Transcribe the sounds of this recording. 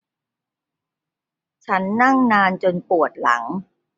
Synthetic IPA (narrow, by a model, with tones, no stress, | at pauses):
t͡ɕʰa˦˥nːa˥˩ŋnaː˧nt͡ɕo˧npu˨˩ət̪̚la̰˩˦ŋ